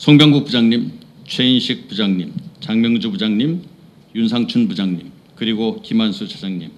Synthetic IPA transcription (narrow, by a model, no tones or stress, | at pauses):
sʰoŋbjʌŋɡuk̚pud͡ʑaŋɲimt͡ɕʰwe̞inɕʰik̚p͈ud͡ʑaŋɲimt͡ɕaŋmjʌŋd͡ʑubud͡ʑaŋɲim | junsʰaŋt͡ɕʰunbud͡ʑaŋɲim | kɯɾiɡokimansʰut͡ɕʰad͡ʑaŋɲim